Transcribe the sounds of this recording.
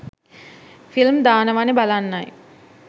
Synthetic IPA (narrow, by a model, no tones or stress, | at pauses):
filmd̪aːnəʋanebalanːaj